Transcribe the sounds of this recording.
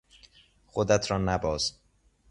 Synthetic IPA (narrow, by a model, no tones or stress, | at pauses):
xod̪æt̪ʰɾɒːnæbɒːs